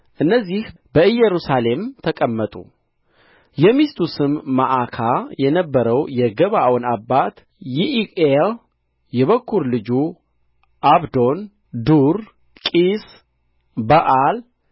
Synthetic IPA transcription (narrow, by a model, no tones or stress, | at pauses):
ʔɨnːəzːihbəɨjɛɾusale̞mt̪ʰəkʼəmːət̪ʼṵ | jɛmist̪ʰusɨmːaʔakʰajɛnəbːəɾəwjɛɡəβawɔnabːat̪ | jiʔiel | jɛβəkːuɾlɨd͡ʒu | ʔaβd̪o̞n | d̪uɾ | kʼis | bəʔal